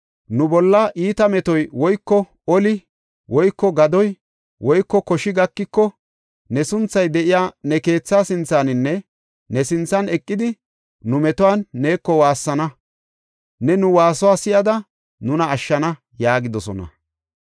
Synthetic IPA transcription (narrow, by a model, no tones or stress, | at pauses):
nʊbɔlːɐʔiːt̪ɐmɛt̪ɔjwɔjkːɔ | ɔlɪ | wʔɔjkːɔɡɐd̪ɔj | wʔɔjkːɔkɔʃɪɡɐkːɪkːɔ | nɛsʊnt͡sːɐjd̪ɛʔɪjaːnɛke̞ːt͡sːaːsɪnt͡sːaːnɪnːɛ | nɛsɪnt͡sːɐnɛkʼːɪd̪ɪ | nʊmɛt̪ɔwaːnːe̞ːkːɔwaːsːɐnɐ | nɛnʊwaːsʊwaːsɪjɐd̪ɐ | nʊnɐːʃːɐnɐ | jaːɡɪd̪ɔsɔnɐ̰